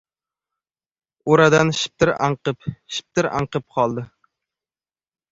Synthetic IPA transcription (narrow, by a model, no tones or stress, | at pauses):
oɾad̪anʃɪ̥p̚t̪ɪɾa̰ɴqɨpʃɪ̥p̚t̪ɪɾa̰ɴqɨp̚qʰɒlˠd̪ɪ